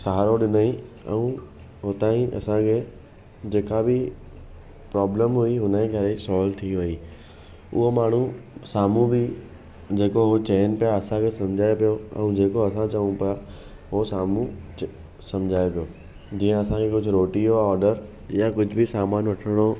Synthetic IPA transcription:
sɐɦaɾoɗɪnaːĩ | ɛ̰̃ũ | ɦot̪aːĩʔɐ̰sãkʰe | d͡ʑeːkabɪ | pɾɔːbləmɦʊiɦʊnəẽkɐɾesɔːlt̪ʰiʋɐi | ʊ̰ɦomaːɳ̤ũsaːmũbɪ | d͡ʑeːkoɦot͡ɕeːnpijaɐsãkʰesɐ̃md͡ʑʱaːjopijoɛ̰̃ũd͡ʑeːkoɐsãt͡ɕɐʋũpɪja | ɦosaːmũ | sɐ̃md͡ʑʱaːjopijoː | d͡ʑiːə̃ɐsãkʰekʊd͡ʑʱʊɾoːʈioɔːɾɖəɾ | jakʊd͡ʑʱʊbɪsaːmaːnʋɐʈʰəɽ̃o

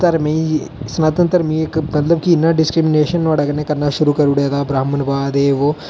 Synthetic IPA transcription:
t̪ɐɾmesnaːt̪ɐnt̪ɐɾmiːekmɐt̪lɐb̚kiːnːaɖiskɾimineːɕɐnʋɐɽɐɡɐnẽkɐnːaʃuɾukɐɾuɽeːd̪abɾaːmɐnbaːd̪eːʋo

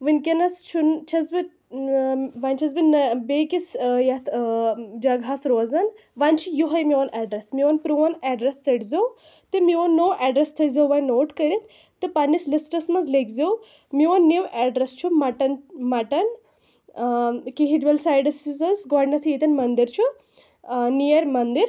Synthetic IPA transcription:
ʋɨnʲkʲɐnɐst͡ʃʰunt͡ʃʰɐzbɨ | ʋanʲt͡ʃʰɐzbinɐbeːkʲisjɐt̪ʰd͡ʒɐɡasɾoːzɐn | ʋanʲt͡ʃʰujuɦɐjmiɐnʔɛːɖɾesmionpɾuʋɐnɛɖɾesːɐʈzew | t̪ɨmiʋonːoːʔɛːɖɾest̪ʰɐzewʋɐjnoːʈkɐɾit̪ʰ | t̪ːɨpɐnːislisʈɐsmɐzlekzew | mionːiwʔɛɖɾest͡ʃʰumɐʈɐnmɐʈɐn | kiɦiʈbɐlsaːjɖɐsizɐnzɡɔːɽnɐt̪ʰɨit̪ɐnmɐnd̪iɾt͡ʃʰu | nijɐɾmɐnd̪iɾ

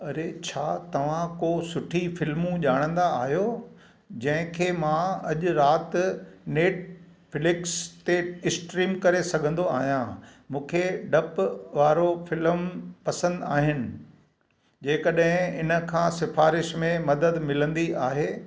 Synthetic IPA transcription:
ɐɾet͡ɕʰaːt̪ɐʋ̤ãkoːsʊʈʰifɪlmũʄaːɽ̃ə̃nd̪aːɦijo | d͡ʑɐ̃ɦɪ̃kʰeːmãɐʄʊɾaːt̪neːʈ | fɪlɪkst̪eɪsʈɾiːmkɐɾesɐɡʱə̃nd̪oaːɦijãmũːkʰeɖɐpʋaːɾofɪləmpɐsə̃nd̪aːɦɪnɪ̆ | d͡ʑeːkɐɗɦɪ̃ɪnə̆kʰãːsɪfaːɾɪʃmẽmɐd̪əd̪mɪlə̃nd̪iaːɦeː

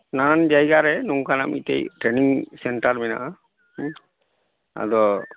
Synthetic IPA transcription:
nanand͡ʒajɡaɾɛnuŋkanamḭt̪ɛ̰jʈɾɛniŋsɛɳʈaɾmɛna̰ʔa | a̰d̪ɔ

